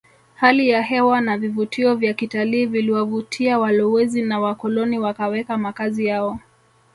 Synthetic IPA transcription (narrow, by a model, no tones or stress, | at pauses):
halijaɦɛwanavivutiɔvjakitaliːviliwavutʰiawalɔwɛzinawakɔlɔniwakawɛkamakazijaɔ